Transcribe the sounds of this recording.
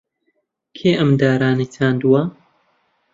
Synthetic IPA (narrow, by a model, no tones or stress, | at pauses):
kʰeːʔɐmd̪aːɾaːnit̪ʰaːnd̪uwɐ